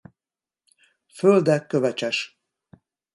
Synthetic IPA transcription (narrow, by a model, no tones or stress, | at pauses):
føld̪ɛkːøvɛt͡ʃɛʃ